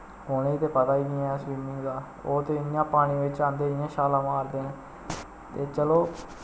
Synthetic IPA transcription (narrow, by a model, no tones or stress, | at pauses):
oːnẽːt̪eːpət̪aːiːɡɪ̃ɛːsʋiːmiːd̪aː | oːt̪eːɪjãːpaːñĩːʋɪt͡ʃãːnd̪eːɪjãːʃaːlaːmaːɾd̪eːnẽː | t̪eːt͡ʃəloː